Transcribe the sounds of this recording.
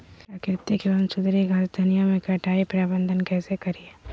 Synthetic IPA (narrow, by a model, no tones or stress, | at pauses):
ɐkɾɪt̪ːikeʋənsʊd̪ɾiɡʱaːd͡ʒd̪ʱɐnijamẽkɐʈʰaːipɾaːbə̃nd̪ʱənkɛːsekɐɾie